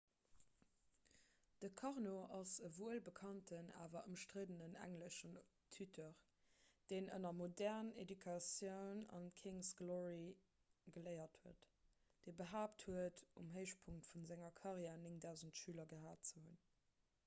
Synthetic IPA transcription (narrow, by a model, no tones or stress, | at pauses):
d̥əkʰɑʁnoʔɑsəvuəlbəkʰɑntʰəna̰ːvɐʔəmʃtʁedənənæ̰ŋləʃən | tʰytʰəʁ | d̥eːnə̰nɐmodɛʁnḛdykʰɑsjəʊnɑ̰nkʰiŋsɡ̥lɔʁi | ɡəlɜɪɐthuət | d̥eːbəɦaːpthuətumɦəɪʃpʰuŋtfunzæŋɐkʰɑʁjɛːnɪŋdæʊzəntʃyːlɐɡəɦaːt̚t͡səhun